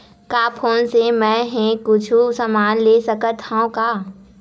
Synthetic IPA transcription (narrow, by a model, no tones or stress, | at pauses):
kaːpʰoːnsemɛ̃ːɦɛ̃kʊt͡ʃʰusəmaːnleːsəkət̪hɦaõkaː